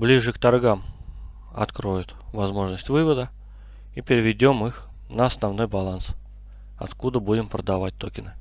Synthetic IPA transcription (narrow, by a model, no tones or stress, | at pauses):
blʲiʐɨkt̪ɐrɡam | ɐ̰t̪kɾojʊt̪vɐzmo̞ʐnəsʲtʲvɨvəd̪ə | ipʲɪɾʲɪvʲɪdʲo̞mɨx | nəɐsnɐvno̞jbɐlˠans | ɐ̰t̪kud̪əbudʲɪmpɾəd̪ɐvat̚ʲt̪okʲɪnɨ